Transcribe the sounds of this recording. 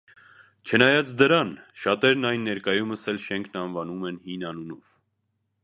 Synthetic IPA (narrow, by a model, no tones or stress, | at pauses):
t͡ʃʰənɑjɑt͡sʰd̪əɾɑnʃɑt̪ɛɾnɑjnːɛɾkɑjuməsɛlʃɛŋkʰnɑnvɑnumɛnhinɑnunɔv